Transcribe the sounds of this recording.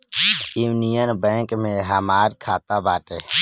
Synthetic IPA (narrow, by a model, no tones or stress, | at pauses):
iːnijənbɛ̃ːŋkmẽɦəmaːɾkʰaːt̪abaːʈeː